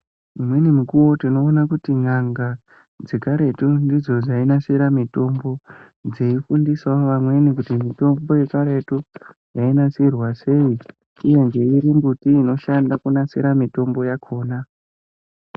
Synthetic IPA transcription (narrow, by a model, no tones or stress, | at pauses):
imwe̞nimukuwo̞tino̞ːnakutiŋaŋɡa | d͡zekaɾe̞tundid͡zo̞d͡zainaseɾamito̞mbo̞ | d͡zeifundisaoʋamwe̞nikutimito̞mbo̞je̞kaɾe̞tu | jainasirwase̞i | uje̞nd͡ʒe̞iɾimbutiːno̞ʃandakunasḛɾamito̞mbo̞jakʰo̞ːna